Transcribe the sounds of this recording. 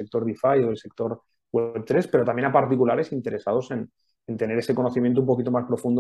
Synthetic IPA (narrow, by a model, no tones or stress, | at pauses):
ek̚t̪o̞ɾðifajoðelse̞k̚t̪o̞ɾ | ɣwep̚t̪ɾe̞spe̞ɾo̞t̪amjnapaɾt̪ikulaɾe̞sint̪e̞ɾe̞saðo̞se̞n | ent̪e̞ne̞ɾese̞ko̞no̞θimjet̪umpo̞kit̪o̞maspɾo̞fund̪o